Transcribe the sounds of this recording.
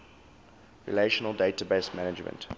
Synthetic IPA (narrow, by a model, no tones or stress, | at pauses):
ɹḭleʃənəlˠdetabeɪsmænɪd͡ʒmə̰̃nt